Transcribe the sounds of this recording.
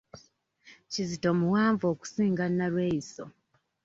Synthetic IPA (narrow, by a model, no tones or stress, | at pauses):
cizito̞muwaːɱvo̞ːku̥siːŋɡanːalweːiso̰